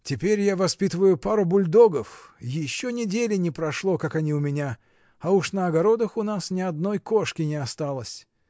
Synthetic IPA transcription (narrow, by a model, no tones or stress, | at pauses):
tʲɪpʲeɾʲjavɐspʲit̪əvəjʊpaɾʊbʊlʲd̪o̞ɡəfjɪɕːonʲɪdʲelʲɪnʲɪpɾɐʂlˠo̞kakɐnʲiʊmʲɪnʲa | ɐuʂnəɐɡɐɾo̞d̪əxʊnasnʲɪɐd̪no̞jko̞ʂkʲɪnʲɪɐst̪alˠəsʲ